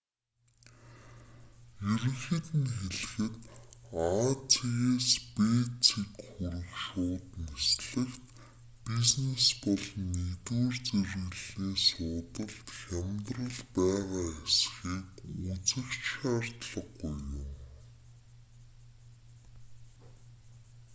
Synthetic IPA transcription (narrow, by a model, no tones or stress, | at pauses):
eɾɘ̆ŋxɘ̆t̪ɘ̆nxeɮ̆xɘ̆t̪at͡sʰiɣeːspet͡sʰikxuɾɘ̆xʃʊːt̪nesɮɘ̆xt̪ | piznespɔɮnit̪wuːrt͡serɣɘ̆ɮiːsʊːt̪ə̆ɮt̪xʲæmʲt̪rə̆ɮpæːʁaːesxiːkut͡sɘ̆kt͡ɕʃaːr̥t̪ɮə̆qːujːʊm